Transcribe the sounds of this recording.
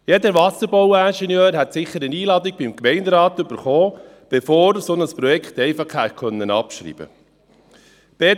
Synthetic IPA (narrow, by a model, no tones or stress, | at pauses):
jɛd̪əɾʋɑsəɾbowænʃɛnjøːɾɦɛt̪sɪχːəɾəniːlɑːd̪iɡ̥̚bimkmɛɪndɾɑːt̪ʏb̥əɾχoː | b̥efoːɾsɔnəspɾɔjɛkχt̪ɛɪfɑχhækʰœnːənɑpʃɾḭːb̥ə̰ | b̥e